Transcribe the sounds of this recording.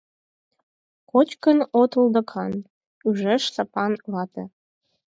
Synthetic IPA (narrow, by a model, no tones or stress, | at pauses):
kot͡ɕkənot̪ɤ̆ld̪ɤ̆kʰɑn | yʒeʃsɑpɑnβɑt̪ḛ̆